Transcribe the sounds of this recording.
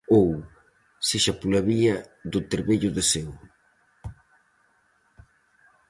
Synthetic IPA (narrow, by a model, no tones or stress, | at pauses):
ow | seʃapulaβiɐðʊt̪eɾβeʎʊðesew